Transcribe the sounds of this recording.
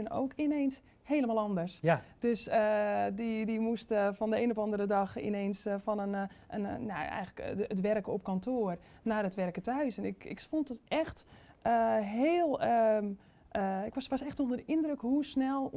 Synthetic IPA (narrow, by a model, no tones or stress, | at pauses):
ɪno̰wkɪnens | hejləmalˠɔndərsd̥øsədidimustfɔndəeːnɔfɑndəɾədɑxɪ̰neːnsfɔnənənna̰ɛ̰jɣələkətʋɛrkəɔp̚kɔntʰoər | naːrətʋɛrkətəœɥsɛnɪkɪ̰kfɔntətɛxtəɦeːlˠə | ɪkʋɔsʋɔsɛxtondədəɪndrəkhusnɛlˠ